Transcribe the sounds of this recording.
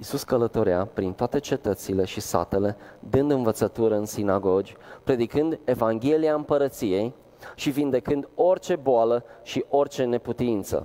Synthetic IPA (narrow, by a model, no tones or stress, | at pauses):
isuskələt̪o̞ɾea̰pɾint̪oat̪e̞t͡ʃe̞t̪ət̪sile̞ʃisa̰t̪e̞le̞d̪ɨnd̪ɨnvət̪sət̪uɾəɨnsinaɡo̞d͡ʒʲpɾe̞d̪ikɨnd̪e̞vaŋɡʲe̞liaɨmpəɾət̪sije̞j | ʃivind̪e̞kɨnd̪o̞rt͡ʃe̞boaləʃiʔo̞rt͡ʃe̞ne̞put̪int̪sə̰